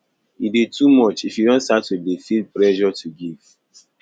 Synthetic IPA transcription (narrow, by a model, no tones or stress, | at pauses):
iditumɔt͡ʃifjudɔ̃nstatudefilplɛʒɔtʰuɡiv̥